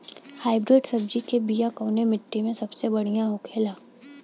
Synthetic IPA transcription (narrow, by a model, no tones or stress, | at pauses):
haːɪbɾɪɖsɐb̚d͡ʒikebijakoːnemɪʈːimẽsɐbsebɐɽ̤ijãɦʊkʰeːlaː